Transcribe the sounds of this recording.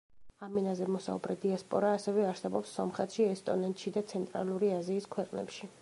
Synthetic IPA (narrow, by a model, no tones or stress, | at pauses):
aminazɛmɔsa̰ṵbɾɛd̪iaspʼɔɾaːsɛvɛaɾsɛbɔpsːɔmχɛt̪ʃiɛst̪ʼɔnɛnt̪ʼʃid̪at̪sʰɛnt̪ʼɾa̰lˠuɾiaziːskʰwɛqʼnɛ̰pʃi